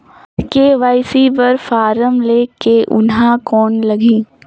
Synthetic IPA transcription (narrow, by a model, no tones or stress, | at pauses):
keʋaːɪsibɐɾfaːɾəmleːkeʔʊnɦãkɔːnlɐɡĩː